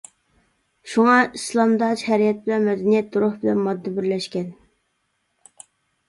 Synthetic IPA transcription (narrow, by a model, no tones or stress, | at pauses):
ʃuŋɑislˠɑmd̪ɑʃhɛɾijɛt̪̚bɪlɛnmɛd̪ɛnijɛt̪̚d̪uɾʊhbɪlɛnmɑd̪ːɨbɪɾlɛʃkʲɛn